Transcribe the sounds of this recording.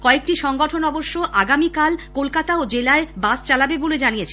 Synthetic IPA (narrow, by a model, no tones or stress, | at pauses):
kɔek̚ʈiʃɔŋɡɔʈʰonɔboʃːoʔaɡamikalkolkat̪aod͡ʑelaebast͡ɕalabeboled͡ʑanijet͡ɕʰe